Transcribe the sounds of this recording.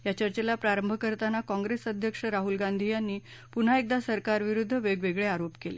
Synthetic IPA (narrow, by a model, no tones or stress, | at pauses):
jat͡ɕəɾt͡ɕelapɾaɾəmbʱəkəɾt̪anakɔ̃ŋɡɾesəd̪ʱjəkʂəɾaɦulɡand̪ʱijanːiː | pun̤aek̚d̪asəɾkaɾʋiɾud̪ʱːəʋeɡʋeɡɭeaɾopkele